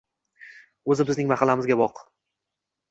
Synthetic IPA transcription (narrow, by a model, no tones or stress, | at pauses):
ɵzɪbɪznɪŋmaχɑlːamɪzɡʲabɒq